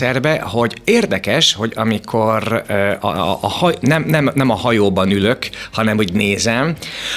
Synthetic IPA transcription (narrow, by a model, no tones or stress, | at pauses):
ɛrbɛho̞ɟeːrd̪ɛkɛʃho̞ɟɒmikʰo̞rɒ̰ːhnɛmnɛmnɛmɒhɒjoːbɒnyløkhɒnɛmuɟneːzɛm